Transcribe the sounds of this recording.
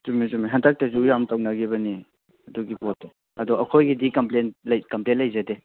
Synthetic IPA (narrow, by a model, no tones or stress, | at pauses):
zumizumiɦɐntʰak̚tɐsujamtawnɐɡibɐni | ɐduɡipotː | ɐdɔɐkʰojɡidikɐmplenlɐjkɐmplenlɐjzɐde